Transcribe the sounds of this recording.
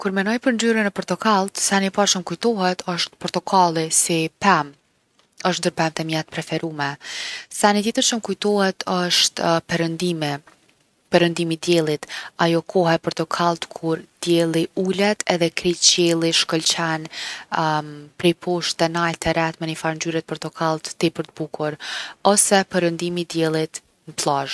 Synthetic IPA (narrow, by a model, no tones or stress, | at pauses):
kuɾmɛnɔjpəɾnd͡ʑyɾənəpɔɾt̪ɔkalˠt̪sɛnipaɾt͡ʃəmkujt̪ɔɦɛt̪ʰəʃt̪pɔɾt̪ɔkʰalˠisipɛm | əʃ̬t̪nd̪əɾpɛmt̪ɛmjɛt̪̚pɾɛfɛɾumɛθɛnit̪jɛt̪əɾt͡ʃəmkujt̪ɔhɛt̪ʰəʃt̪pɛɾənd̪im | pɛɾənd̪imid̪jɛlˠit̪ajɔkʰɔɦɛpəɾt̪ɔkʰalˠt̪kʰuɾd̪̥jɛlˠiulɛt̪ʰɛðɛkɾit͡ɕɛlˠiʃkɔlt͡ɕɛn | pɾipʰuʃt̪ɛnalt̪ɛɾɛt̪mɛnifaɾnd͡ʑyɾɛt̪̚pəɾt̪ɔkʰalˠt̪ːipəɾt̪əbukuɾɔsɛpɛɾənd̪imid̪jɛlˠit̪ | məplˠaʒ